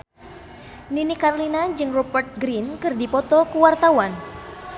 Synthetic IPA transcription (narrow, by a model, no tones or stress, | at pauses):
ninikarlinad͡ʒɨŋrɔbərt̪̚ɡɾinkɨrdipɔt̪ɔkuwart̪awan